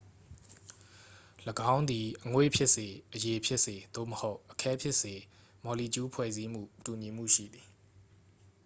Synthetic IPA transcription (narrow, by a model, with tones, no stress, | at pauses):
ləɡã˦ʊ̃nd̪i˨ʔəŋwḛ˦˨pʰjɪ˦ʔse˨ʔəje˨pʰjɪ˦ʔse˨d̪̥o̰˦˨məho˦ʊʔəkʰɛ˦pʰjɪ˦ʔse˨ | mɔ˨li˨t͡ɕu˦pʰwɛ̰˦˨zi˦m̥ṵ˦˨tu˨ɲi˨m̥ṵ˦˨ʃḭ˦˨d̪i˨